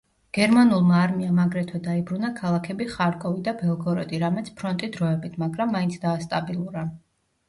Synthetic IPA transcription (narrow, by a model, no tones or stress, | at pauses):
ɡ̥ɛɾmanulˠmaːɾmiamaɡɾɛt̪ʰwɛd̪aibɾunakʰalˠakʰɛbiχaɾkʼɔvid̪abɛlˠɡɔɾɔd̪iɾamɛt̪sʰpʰɾɔnt̪ʼid̪ɾɔɛbit̪ʰmaɡɾamːaint̪sʰd̪aːst̪ʼabilˠuɾa